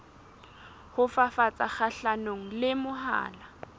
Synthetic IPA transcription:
hʊfafat͡sʼaχaɬanoŋ̩lɪmʊɦa̰ːla

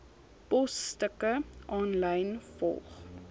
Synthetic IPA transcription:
pɔstəkəʔɑːnləjnfɔ̰lˠχ

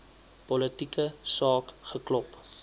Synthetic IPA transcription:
pɔlətikəsɑːkχəklɔp

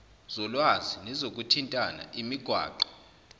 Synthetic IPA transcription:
z̥ɔlwazinɛzok̬ʼutʰintʼana̰ʔimiɡ̥ʱwa̰ːǃɔ̥

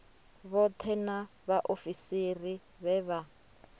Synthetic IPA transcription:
βɔt̪ʰɛnaβaʔofisiri | βɛβa

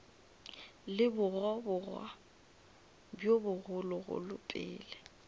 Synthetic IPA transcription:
lɪbʊrɔbʊrwa̰ | bjobʊɣʊlʊɣʊ̰lʊ̰pʼɪ̰ːlɛ

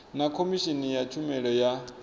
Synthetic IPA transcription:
nakʰomiʃinijat͡ʃʰumɛɺɔja

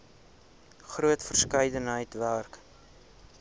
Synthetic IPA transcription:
χruətfərskəjdənɦəjtværk

